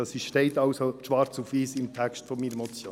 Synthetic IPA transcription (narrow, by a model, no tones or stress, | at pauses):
ɑsiʃteɪtɑʊsoʃʋɑɾt͡sufʋiːsɪmtʰɛkstfɔmiːɾəmɔt͡sjo̰ː